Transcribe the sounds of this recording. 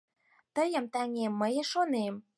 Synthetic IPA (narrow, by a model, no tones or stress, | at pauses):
t̪əjə̆mt̪æŋemːəjeʃonem